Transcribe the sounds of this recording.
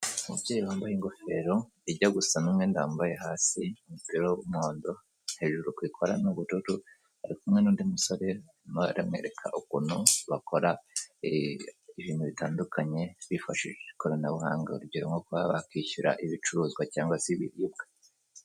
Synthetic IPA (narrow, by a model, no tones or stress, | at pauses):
uubɟeːjiwaːmbajeŋɡo̞fe̞ːɾo̞ | iɟaɡusanumŋe̞ndaːmbajehaːsiumupiɾo̞umoːndo̞̥ | he̞ːʒuɾukwiːkʰo̞ɾanuβututu | haɾikumŋe̞nuːndimuso̞ɾe̞ | maɾamŋe̞̰ːɾe̞kʰa̰ʔukuːnuβakʰo̞ɾa | iβiːnuβitaːndukʰaɲe̞βifaʃiʒekoɾanaβuɦaːŋɡa̰uɾubɟiɾomŋɡokβaβakwiçuɾa̰ʔiβit͡ʃuɾuːzɡwacaːŋɡwasiβḭɾijibɡe